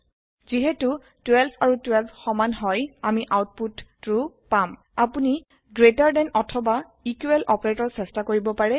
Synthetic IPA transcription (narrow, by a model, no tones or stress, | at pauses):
ziɦɛtu | twɛlbʰaɹutwɛlbʰxɔmanɦɔjamiʔawt̚putːɹu | pam | apuni | ɡɹetaɹdɛnɔtʰɔba | ikuwɛlʔɔpɔɹetɔɹsɛstakoɹibɔpaɹɛ